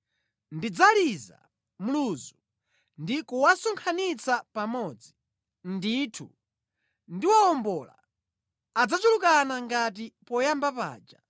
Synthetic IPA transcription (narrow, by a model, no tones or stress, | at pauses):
ndid͡zaliza̰ | m̩luzu | ndikuwasuŋkʰanit͡sapamɔːd͡zi | nditʰṵ | ndiwaɔmbɔla̰ː | d͡zat͡ʃulukanaŋɡat̬ipɔjambapa̰ːd͡ʒa